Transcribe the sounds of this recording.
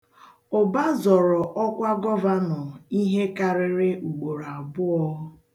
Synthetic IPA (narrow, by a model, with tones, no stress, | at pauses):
ʊ˨ba˦zɔ˨ɾɔ˨ʔɔ˦kʷa˦ɡɔ˦va˦nɔ˨i˦ɦe˦ka˨ɾɪ˦ɾɪ˦u˨ɡ͡bo˨ɾa˨a˨bʊ˦ɔ˦ʊ˦